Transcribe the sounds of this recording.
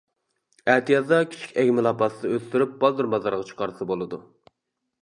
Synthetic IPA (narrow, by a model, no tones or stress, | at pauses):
æt̪ʰijɑt̪d̪ɑkʲʰi̥t͡ʃʰi̥kʲɛɡʲmɪlˠɑpɑsɨd̪ɑøst̪yɾyp̚b̥ɑlˠd̪ɨɾmɑzɑɾʁɑt͡ʃʰqʰɑɾɨsɑbolˠɨd̪u